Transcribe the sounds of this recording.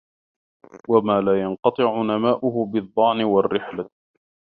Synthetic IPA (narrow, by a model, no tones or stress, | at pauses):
wamaːlaːjɑnqɑt̪ˤɨʕʊnamaːʔʊhʊbɨðˤːɑʕnɪwɑrːɪħla